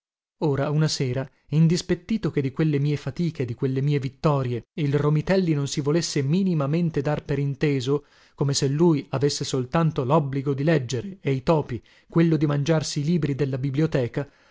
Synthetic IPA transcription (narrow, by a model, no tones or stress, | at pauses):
oːɾaunaseːɾa | ind̪ispet̪ːiːt̪ok̟ed̪ːikwelːemiːefat̪iːked̪ːikwelːemiːevit̪ːɔːɾjeilromit̪ɛlːinonsivolesːeminimament̪ed̪arpeɾint̪eːzo | komeselːujavesːesolt̪ant̪olɔbːliɡod̪ilɛd͡ʒːeɾeeit̪ɔːpi | kwelːod̪imand͡ʒarsiːliːbɾid̪elːabibliot̪ɛːka